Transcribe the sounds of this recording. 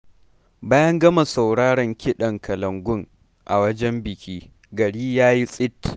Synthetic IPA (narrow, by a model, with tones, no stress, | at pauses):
baː˦jɐ˦ŋɡɐ˦ma˨sɐ˨wɽaː˦ɽɐ˨ŋkʲʰɪ˦ɗɐ˨ŋkʰɐ˨lɐ˨ŋɡʷʊ˦ŋ | ʔa̰˨wɐ˦d͡ʒɛ˦mbɪ˨kʲiː˦ | ɡɐ˨ɽiː˦jaː˦ji˦sʼɪ˦t